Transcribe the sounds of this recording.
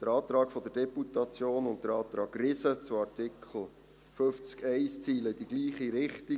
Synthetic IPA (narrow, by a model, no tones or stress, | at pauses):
d̪̥əɾɑːt̪ɾɑːkfɔd̥̪ərd̥ɛputɑt͡sjoːnʊnt̚d̥̪əɾɑːt̪ɾɑːkrɪsət͡sʊɑɾtɪkʰl̩ | føft͡skɛɪst͡siːləɪd̥iɡliːχiɾɪχti